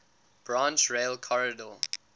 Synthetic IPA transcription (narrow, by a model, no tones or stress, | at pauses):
b̥ɹãnt͡ʃɹeɪlkʰɔɹədəl